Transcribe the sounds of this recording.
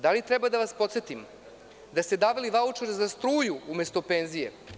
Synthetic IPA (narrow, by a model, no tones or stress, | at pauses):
d̪alit̪ɾɛbad̪aʋaspo̞t̪set̪im | d̪ast̪ed̪aʋeliʋaut͡ʂeɾzast̪ɾuːjuumest̪opeːnzije̞̰